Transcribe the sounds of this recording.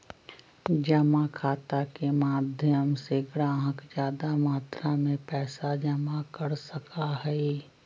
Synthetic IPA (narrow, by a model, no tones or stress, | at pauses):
d͡ʒəmakʰaːt̪akemaːd̪ʱjəmseɡɾãːɦə̃kd͡ʒjaːd̪amaːt̪ɾamẽpɛːsad͡ʒɐmakəɾsəkʰaɦɛi